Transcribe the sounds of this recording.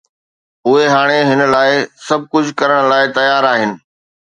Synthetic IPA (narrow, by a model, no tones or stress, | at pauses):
ʊɦeɦaːɽ̃eɦɪnə̆laːɪsɐb̚ʱkʊd͡ʑʱkɐɾəɽ̃laːɪt̪ɐjaːɾaːɦɪnɪ̆